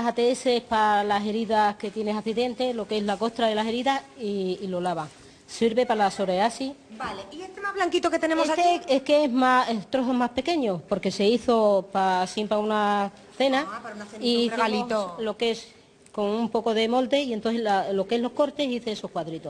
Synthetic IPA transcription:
sat̪eese̞hpalase̞ɾiðahke̞t̪je̞nesaθiðe̞nt̪e̞lo̞ke̞ɦlako̞ht̪ɾaðe̞lase̞ɾiðasiːlo̞laβaŋ | siɾβe̞palaso̞ɾeasibaleiest̪emaβlaŋkit̪oket̪enemosat̪eekeeɦmaet̪ɾoθo̞mahpe̞ke̞ɲo̞po̞ɾke̞se̞iθo̞pasempɾauna | θe̞naanaθeniealiot̪olo̞ke̞s | ko̞ŋumpo̞ko̞ðe̞mo̞ld̪e̞ient̪oθelalo̞ke̞ɦlo̞hko̞ɾt̪e̞siθeeso̞hkwaðɾit̪o̞

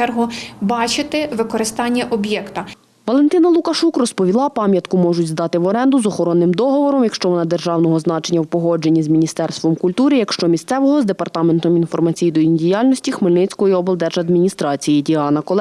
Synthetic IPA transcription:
ɛrɦʊbɑt͡ʃɪt̪ɪʋɪkɔɾɪst̪ɑnʲːɐʔɔbjɛkt̪ɐ | ʋɔlˠe̞nt̪ɪnɐlˠʊkɐʃukrɔspɔʋʲilˠɑpɑmʲjɐt̪kʊmɔʒʊtʲzd̪ɑt̪ɪʋɔɾɛnd̪ʊzɔxɔɾɔnːɪmd̪ɔɦɔʋɔɾɔmjɐkʃt͡ʃɔʋɔnɑd̪erʒɑwnɔɦɔzn̪ɑt͡ʃenʲːɐwpɔɦɔd͡ʒe̞nʲːizmʲinʲist̪ɛrst̪ʋɔmkʊlʲt̪uɾɪjɐkʃt͡ʃɔmʲist̪sɛʋɔɦɔzd̪e̞pɐrt̪ɑment̪ɔminfɔrmɐt͡sʲijid̪ɔindʲijɑlʲnɔsʲtʲixmɪlʲnɪt͡sʲkɔjɔiɔbɛlˠd̪ɛʒɐd̪mʲinʲist̪ɾɑt͡sʲijidʲiɑnɐkɔlˠ

